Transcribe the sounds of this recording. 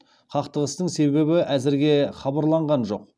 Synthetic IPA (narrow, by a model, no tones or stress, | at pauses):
qʰɑqt̪əʁəst̪əɴse̞be̞βɪʔæzɪɾɡʲe̞χɑbɑɾlˠɑɴʁɑnʒo̞̰q̚